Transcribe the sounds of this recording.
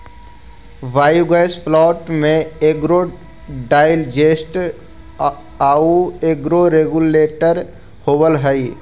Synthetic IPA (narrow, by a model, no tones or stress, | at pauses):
ʋaːjuɡaɪspʰlɔːʈmẽeɡɾo | ɖaːɪld͡ʒesʈ | aːueɡɾoɾeɡuleːʈəɾ | hoːbəlɦəi